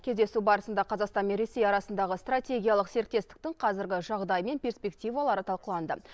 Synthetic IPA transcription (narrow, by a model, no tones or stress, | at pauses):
kʲʰe̞zd̪esubɑɾəsənd̪ɑqʰɑzɑqst̪ɑnme̞nɾe̞se̞jɑɾɑsənd̪ɑʁəst̪ratʲe̞ɡʲijɑlˠəqse̞ɾk̚t̪e̞st̪ɪ̥k̚t̪ɪŋqʰɑzɪɾɡʲɪʒɑʁd̪ɑjme̞npʲe̞rspʲe̞ktʲijvɑlˠɑɾət̪ʰɑlˠqəlˠɑnd̪ə